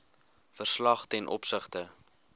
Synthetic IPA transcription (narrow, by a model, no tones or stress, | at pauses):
fərslɐχtɛnʔɔ̰psəχtə